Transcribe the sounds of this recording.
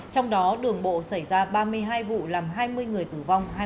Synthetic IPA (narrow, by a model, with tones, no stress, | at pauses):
t͡ɕɔ˧wŋ͡mɗɔ˨˦ɗɨ˨˩əŋɓo̰˧˨sa˧˩jzaː˧ɓaː˧mɨ˧əjɦaː˧jvṵ˧˨laː˨˩mɦaː˧jmɨ˧əjŋɨ˨˩əjt̪ɨ˨˩va˧wŋ͡mhaː˧